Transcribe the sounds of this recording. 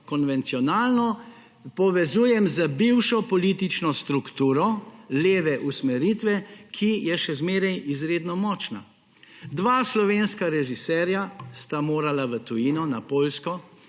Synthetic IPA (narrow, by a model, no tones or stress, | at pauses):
kɔnʋɛnt̪siɔnaːlnɔ | pɔʋɛzuːjɛmzəbiwʃɔpɔliːt̪it͡ʃnɔst̪ɾukt̪uːɾɔleːʋɛʔusmɛɾit̪ʋɛkʰijɛʃɛzmeːɾɛjizɾeːd̪nɔmɔːt͡ʃna̰ | d̪ʋaːslɔʋenskaɾɛʒisɛːɾjast̪amoːɾalaʋət̪ujinɔnapoːlskɔ